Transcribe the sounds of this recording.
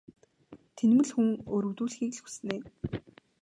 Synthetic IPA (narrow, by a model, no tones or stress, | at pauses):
t̪ʰenmɘ̆ɮxuŋɵɾɵ̆wt̪uːɮxiːkɮxu̥sneː